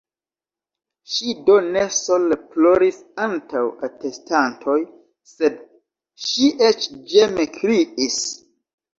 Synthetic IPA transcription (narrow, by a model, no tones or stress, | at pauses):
ʃidone̞soleploɾis | antawate̞stantʰo̞j | se̞d | ʃiʔet͡ʃd͡ʒemekʰɾiʔis